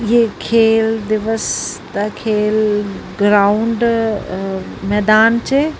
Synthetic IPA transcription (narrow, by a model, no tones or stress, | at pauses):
ɪɦekʰeːld̪ɪʋəst̪ɐkʰeːlɡɾaːʊɳɖ | mɛːd̪aːnt͡ɕʰeː